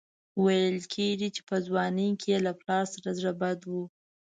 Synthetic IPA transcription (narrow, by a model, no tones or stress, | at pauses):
wajəlkʰeɡit͡ʃe̥pəzwɑnəjkʰejelaplɑɾsaɾazɽabad̪wu